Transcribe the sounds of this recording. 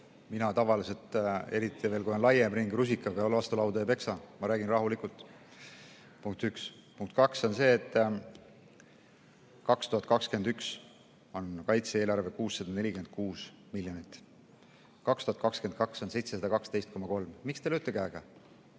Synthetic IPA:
minɑt̪ɑvɑlise̞lt̪e̞ɾit̪ʰːˑiveːlkujo̞nlɑjemɾiŋɡrus̬ikːˑɑɡɑolɑst̪ulɑwd̪ɑepe̞ksɑmɑɾæːɡ̥inrɑɦulikult̪ːˑ | puŋk̚t̪ykspuŋk̚t̪̚kɑkso̞nse̞ːt̪ːˑ | kɑkst̪uɦɑt̪̚ːˑkɑkske̞nd̪yks | o̞nkɑjt̪seeːlɑrve̞kuːsːɑd̪̥ɑne̞lʲike̞nd̪̥̚kuːs | milʲjonit̪ːˑ | kɑkst̪uhɑt̪kɑkske̞n̚kɑkso̞nse̞jt̪seɑd̪ɑkɑkst̪e̞jst̪̚ko̞mːɑko̞lmmikst̪elyt̪ːˑeɡ̥æːɡ̥ɑ

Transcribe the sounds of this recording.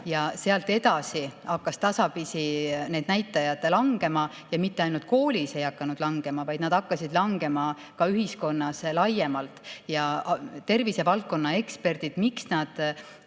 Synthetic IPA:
jɑse̞ɑlt̪ːe̞d̪ɑsiɑkːɑst̪ɑsɑpisineːd̪̚næjt̪ːˑɑjɑd̪̥lɑŋɡ̥e̞mɑ | jɑmit̪ːe̞ɑjnult̪̚ko̞ːlʲise̞jɑkːˑɑnud̪̥lɑŋɡ̥e̞mɑvɑjd̪nɑd̪̥ɑkːɑsid̪lɑŋɡe̞mɑ | kɑyɦisko̞nːɑslɑjːe̞mɑlt̪ˑjɑt̪e̞rvise̞vɑlt̪̚ko̞nːɑe̞kspe̞rd̪̥id̪̥miksnɑd̪̥

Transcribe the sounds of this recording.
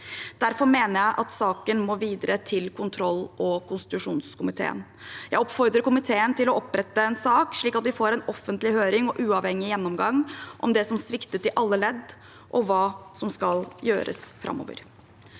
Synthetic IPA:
d̪̥æɾfɔɾmeːnəɾjæɪʔɑt̪sɑːkənmoːʋiːd̪ɾət̪ʰɪlkʰʊnt̪ʰɾɔlːɔkʊnst̪ɪt̪ʉʂuːnskʰʊmɪt̪ʰḛːə̰n | jæɪɔpfɔɾd̪ɾəkʊmɪt̪ʰeːənt̪ɪlɔʔɔpːɾɛt̪ːəɛnsɑːkʂɭiːkɑt̪d̪ɪfoːɾɛnɔfːənt̪lɪhøːɾɪŋɔʔʉːɑʋhɛŋːɪjɛnːɔmɡɑŋʔɔ̰md̪ɛsɔmsʋɪkt̪ət̪ɪʔɑlːəlɛd̪ː | ʔɔʋɑːsɔmskɑljøːɾə̰sfɾʔɑ̰mːɔ̰ːʋə̰ɾ

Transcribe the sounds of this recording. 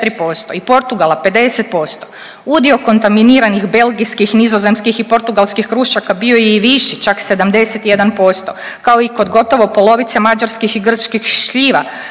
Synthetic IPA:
t̪ɾipo̞st̪o̞ipo̞ɾt̪uɡalape̞d̪e̞set̪̚po̞st̪o | ud̪io̞ko̞nt̪aminiːɾanixbe̞lɡijskixnizo̞ze̞mskixipo̞ɾt̪uɡalˠskixkɾuʃakabio̞jɛiʋiʃit͡ʃakse̞d̪amd̪e̞set̪ije̞d̪anpo̞st̪o̞ | kao̞iko̞d̪ɡo̞t̪o̞ʋo̞po̞lo̞ʋit̪semad͡ʒaɾskixiɡr̩t͡ʃkixʃʎiːʋa̰

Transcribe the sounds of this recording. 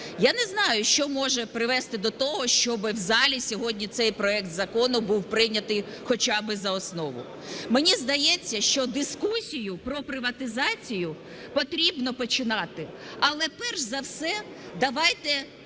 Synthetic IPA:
janɛznɑjʊʃt͡ʃɔmɔʒɛpɾɪʋɛst̪ɪd̪ɔt̪ɔɦɔʃt͡ʃɔbɪwzɑlʲisʲɔɦɔdʲnʲit̪sɛjpɾɔɛk̚t̪zɐkɔnʊbuwpɾɪnʲɐt̪ɪj | xɔt͡ʃabɪzɐɔsnɔʋʊ̰ | menʲizd̪ɐjɛt͡sʲːɐʃt͡ʃɔd̪ɪskusʲijʊpɾɔpɾɪʋɐt̪ɪzɑt͡sʲijʊ | pɔt̪ɾʲibnɔpɔt͡ʃɪnɑt̪ɪɐlˠɛpɛrʃzɐwsɛ | d̪ɐʋɑjt̪ɛ

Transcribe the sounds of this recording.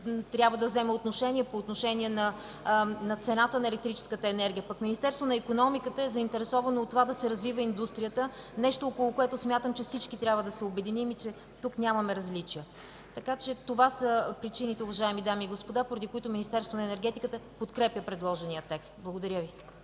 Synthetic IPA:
t̪ɾʲabvəd̪ɐvzɛmɛot̪noʃɛnʲiɛpoːt̪noʃɛniɛnɐ | nɐt̪sɛnat̪ənɐɛlɛkt̪ɾit͡ʃɛ̥skət̪əɛnɛɾɡʲijəpɐkminist̪ɛɾst̪vonɐikonɔmikət̪əɛzɐint̪ɛɾɛsɔvɐnoːt̪ːovad̪ɐsɛɾɐzvivəind̪ust̪ɾijət̪ənɛʃt̪ookolˠokoɛt̪ʊsmʲjat̪əmt͡ʃɛfsit͡ʃkit̪ɾʲjabvəd̪ɐsɛobɛd̪inimit͡ʃɛ | t̪uknʲamɐmɛɾɐzlit͡ʃijə | t̪ɐkat͡ʃɛt̪ovasəpɾit͡ʃinit̪ɛʊvɐʒaɛmid̪amiːɡospod̪apoɾɐd̪ikoit̪ʊminist̪ɛɾst̪vonəɛnɛɾɡɛt̪ikət̪əpot̪kɾɛpjəpɾɛd̪lˠɔʒɛnijət̪ɛkst̪̚blˠɐɡod̪ɐɾʲjəvi

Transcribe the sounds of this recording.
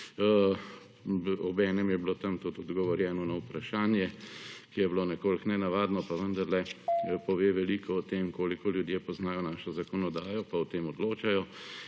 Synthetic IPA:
ɔbɛːnɛmjɛblot̪ɐmt̪ut̪ɔd̪ɡɔʋɔɾjɛːnɔnawpɾaʃaːnjɛkijɛbloːnɛkoːlknɛnaʋaːd̪nɔpaʋənd̪ɐɾlɛpɔʋeːʋɛlikʰɔɔt̪eːmkoːlikɔljud̪jepɔznaːjɔnaːʃɔzakɔnɔd̪aːjɔpaɔt̪eːmɔd̪loːt͡ʃajɔ

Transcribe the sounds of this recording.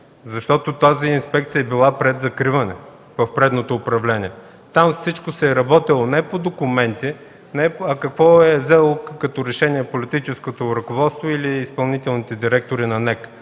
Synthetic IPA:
zɐʃt̪ɔt̪ot̪aziːnspɛk̚t̪sijəɛbilˠapɾɛd̪zɐkɾivɐnɛ | vɐfpɾɛd̪not̪oːpɾɐvlɛniɛ | t̪amfsit͡ʃkosɛːɾɐbɔt̪ilˠonɛpod̪okʊmɛnt̪i | nɛɐkɐkvɔɛvzɛlˠokɐt̪ɔɾɛʃɛniɛpolit̪it͡ʃɛskot̪oɾɐkovɔt̪st̪voiliːspɐlˠnit̪ɛlˠnit̪ɛd̪iɾɛk̚t̪oɾinɐnɛk

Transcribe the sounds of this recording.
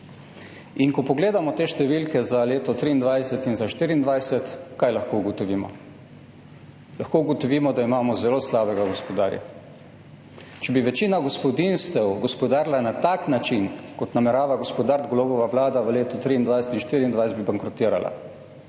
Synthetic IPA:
iŋkɔpɔɡleːd̪amɔt̪eːʃt̪ɛʋilkɛzaleːt̪ɔt̪ɾiːnd̪ʋajsɛt̪inzaʃt̪iːɾiːnd̪ʋajsɛt̪kajlaxkouɡɔt̪ɔʋiːmɔ̰ | laxkoːuɡɔt̪ɔʋiːmɔd̪aimaːmɔzɛloːslaːbɛɡaɡɔspɔd̪a̰ːɾja̰ | t͡ʃɛbiʋɛt͡ʃiːnaɡɔspɔd̪inst̪ɛwɡɔspɔd̪aːɾlanat̪aknat͡ʃinkɔt̪namɛɾaːʋaɡɔspɔd̪aɾt̪ɡlɔːbɔʋaʋlaːd̪aʋəleːt̪ut̪ɾiːnd̪ʋajsɛ̥t̪inʃt̪iɾiːnd̪ʋajsed̪̚bibaŋkɾɔt̪iːɾa̰lʔa̰

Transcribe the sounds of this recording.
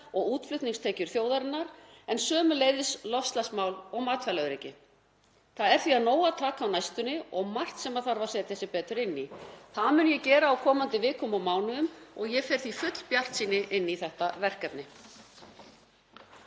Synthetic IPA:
ɔɣuːt̪flʏht̪niŋst̪ʰɛːcʏɾ̥θjoːwðaɾɪnːaɾ | ɛnsœːmʏleːjðɪslɔfst̪lasmawlɔɣmaːt̪fɛlaɾejcɪ | θaðɛɾ̥θviaðnoːwat̪ʰaːkaːwnajst̪ʏnːɪɔɣmar̥t̪sɛmaðθaɾvasɛːt̪θɛsɪpɛːt̪ɾʏɾɪnːiθaðmʏnjɛcɛːɾaːwkʰɔːmant̪ɪvɪːkʰɔmawmaːwnʏʏmɔɣjɛfɛːɾ̥θifʏt̪l̥pjar̥t̪siːnːɪʔɪnːiθɛht̪avɛr̥kɛpnɪ

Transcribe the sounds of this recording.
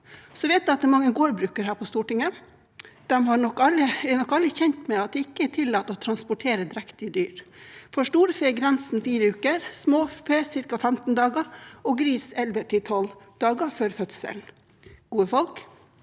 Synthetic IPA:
sɔʋɛɪt̪̚d̪ɛɑt̪̚ɛːmɑŋːəɡoːɾbɾʉːkəɾɦæːɾpʰɔst̪uːʈɪŋə | d̪̥ɛmhɑɳɔkːɑləɛnɔkːɑlːɪçɛnt̪mɛɑt̪̚d̪ɛːɪkːəɛʈʰɪlːɑːt̪ːɔt̪ʰɾɑnspʊʈʰeːɾəd̪ɪɾækt̪ɪd̪yːɾfɔʂʈuːɾfeːɡɾɛnsn̩fiːɾəʉːkəɾsmoːfeːsɪɾkɑfɛmt̪n̩d̪ɑːɡɑɔɡɾiːsɛlʋət̪ʰɪt̪ʰɔld̪̥ɑːɡəføːɾfœt̪sə̰ln̩ | ɡ̥uːəfɔlk

